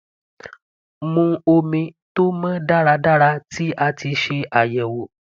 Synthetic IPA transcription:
mũ˧o˧mĩ˧to˦mã˦da˦˨ɾa˧da˦ɾa˧tʰi˦a˧ti˧ʃe˧a˨jɛ˨wo˨

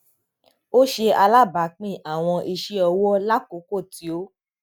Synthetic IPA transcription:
o˦ʃe˧a˧la˦˨ba˨k͡pĩ˦˨a˨w̃ɔ̃˧ʔi˧ʃi˦ɔ˧wɔ˦la˦ko˨˦ko˦˨ti˨˦o˦

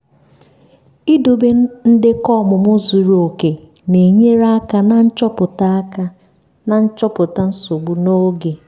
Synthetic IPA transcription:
i˦do˨be˦n̩˦dɪ˦kɔ˦˨mʊ˨mʊ˦zu˨ɾo˨ke˨ | ne˨ɲe˦ɾa˦a˦ka˦na˦n̩˦t͡ʃɔ˦pʊ˨ta˦ka˦ | na˨n̩˦t͡ʃɔ˦pʊ˨ta˦n̩˦so˨ɡ͡bu˦no˦ɡe˨

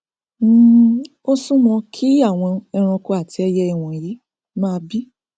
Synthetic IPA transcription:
o˦sũ˦mɔ̃˧kʰi˦a˦˨w̃ɔ̃˧ɛ˧ɾ̃ũ˧ko˦a˦˨ti˧˦ɛ˧jɛ˦ɛ˦˨w̃ɔ̃˨ji˨˦ | mãː˦˧bi˦

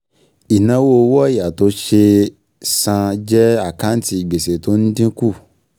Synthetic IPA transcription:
i˨nã˨˦wo˦˧wɔ˦˨ja˨to˧˦ʃe˧ | sã˧d͡ʒɛ˦a˦˨kã˨˦n̩˦ti˧i˨ɡ͡be˨se˨to˦n̩˦dĩ˦ku˦˨

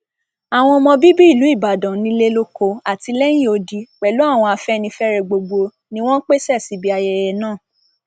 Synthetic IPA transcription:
a˨w̃ɔ̃˧ɔ˧mɔ̃˧bi˦bi˦i˦˨lu˨˦i˦˨ba˨dã˨nĩ˧˦le˦lo˦ko˧a˨ti˧lɛ˦jĩ˦˨o˧di˧k͡pɛ˨lu˨˦a˦˨w̃ɔ̃˧a˧fɛ˦nĩ˧fɛ˦ɾɛ˧ɡ͡bo˧ɡ͡bo˧ | nĩ˧w̃ɔ̃˦n̩˦k͡pe˦sɛ˦˨si˨˦bi˦a˧jɛ˧jɛ˧nãː˦˨

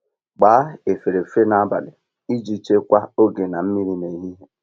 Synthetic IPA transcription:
ɡ͡baː˨˦e˨fe˨ɾe˨fe˦na˨a˦ba̰˨lɪ˨ | i˦d͡ʒi˦t͡ʃe˦kʷa˦o˦ɡe˨na˨m̩˦mi˦ɾi˦ne˨˦ɦi˦ɦe˦

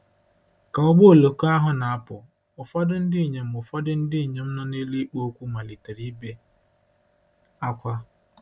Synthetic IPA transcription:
ka˨ʊ˦ɡ͡bo˦o˨lo˨ko˦a˦ɦʊ˦na˨a˦pʊ˨ | ʊ˨fɔ˦dʊ˦n̩˦dɪ˦i˨ɲe˨m̩˨ʊ˨fɔ˦dʊ˦n̩˦dɪ˦i˨ɲe˨m̩˦nɔ˦ne˦li˦k͡po˦o˦kʷu˦ma˨li˨te˨ɾi˦be˦ | a˦kʷa˦

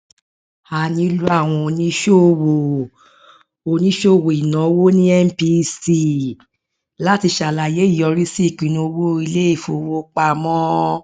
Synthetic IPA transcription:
a˨nĩ˧˦lu˦a˦˨w̃ɔ̃˧o˧˨nĩ˦ʃo˦˨wo˨ | o˧nĩ˦ʃo˦˨wo˨i˨nã˨˦wo˦nĩ˦ɛ˦m˦pi˧si˦ | la˦ti˧ʃa˨la˨je˨˦i˦˨jɔ˧ɾi˦si˦˨k͡pĩ˨˦nũ˧˦˧wo˦i˧le˦i˦˨fo˨˧wo˦k͡pa˧mɔ̃˦

